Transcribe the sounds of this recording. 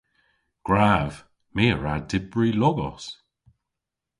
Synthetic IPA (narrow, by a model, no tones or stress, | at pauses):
ɡ̥ɹav | meːəɹadɪbɹilɔɡɔ̰s